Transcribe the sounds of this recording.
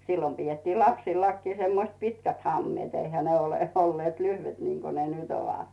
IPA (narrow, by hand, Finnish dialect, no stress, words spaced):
silːom pietːiːl lɑpsilːɑkːiː semːoĭst pitkæt hɑmːĭeːt eihæ ne oleˑ olːeːt lyhʋet niŋko ne nyt oʋɑt